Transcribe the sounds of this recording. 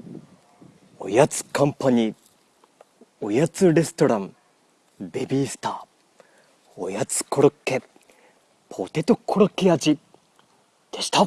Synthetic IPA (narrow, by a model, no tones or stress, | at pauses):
o̞̰jat͡sɨ̥kʰãmpaɲ̟i | o̞jat͡sɨɾe̞sɨ̥t̪o̞ɾãm | be̞bʲiːsɨ̥t̪aː | o̞̰jat͡sɨ̥kʰo̞ɾokːe̞ | pʰo̞t̪e̞t̪o̞kʰo̞ɾokːead͡ʑi | d̪̥e̞ɕi̥t̪a